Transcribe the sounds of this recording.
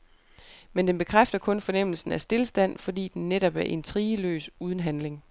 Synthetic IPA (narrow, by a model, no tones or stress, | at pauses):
mend̥enb̥e̝kʰʁafd̥ɐkʰɔ̽nfɒ̽nem̰l̩sn̩æsd̥e̝lsd̥æn̰fɒ̽d̥ḭːd̥enːeɾɒb̥æɐʔe̝nt͡sʰʁiːəlø̰ːsuːð̞ˠən̩ɦænle̝ŋ